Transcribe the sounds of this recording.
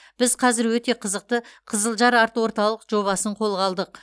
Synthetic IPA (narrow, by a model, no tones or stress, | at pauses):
b̥ɪzqʰɑzɪɾwɵt̪e̞qʰəzəq̚t̪əqʰəzəlˠʒɑɾɑɾt̪wo̞ɾt̪ɑlˠəqʒo̞βɑsəɴqʰo̞lˠʁɑlˠd̪əq̚